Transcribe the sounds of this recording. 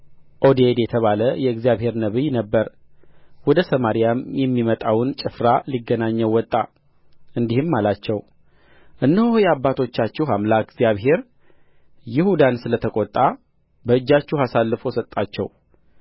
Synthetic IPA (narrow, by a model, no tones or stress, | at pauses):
ʔod̪ed̪jɛt̪ʰəβaləjɛɨɡzijaβhe̞ɾnəβɨjnəbːəɾ | wɔd̪əsəmaɾijamjɛmːimət̪ʼawnt͡ʃʼɨfɾaliɡːənaɲːɛwɔt̪ʼːa | ɨnd̪ihɨmːalat͡ʃːɛw | ʔɨnːəhojɛabːat̪ʰo̞t͡ʃːat͡ʃːɛɦamlaɡzijaβɦe̞ɾ | jɪhud̪ansɨlət̪ʰəkʼɔt̪ʼːa | bəɨd͡ʒːat͡ʃːuhasalːɨfo̞sət̪ʼːat͡ʃːɛw